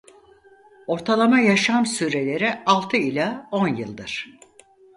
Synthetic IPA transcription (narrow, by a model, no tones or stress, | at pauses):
o̞ɾt̪ʰalˠamajaʃamsyːɾe̞lʲe̞ɾialˠt̪ʰɯilʲao̞njɯlˠd̪ɯɾ̥